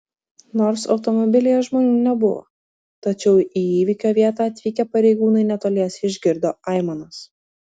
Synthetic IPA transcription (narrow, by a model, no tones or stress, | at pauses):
noːɾsɒ̰ʊt̪ɔmɔbʲɪlʲɪjɛʒmoːnʲuːnʲɛbʊʋo̰ | t̪ɐt͡ʃʲɛʊiːiːʋʲikʲoːʋʲiɛt̪ɑːɐt̪ʲʋʲiːkʲɛpɐɾʲɛɪɡuːnɐɪnʲɛt̪oːlʲiɛsʲɪʒʲɡʲɪɾd̪oːɑɪmɐnɐs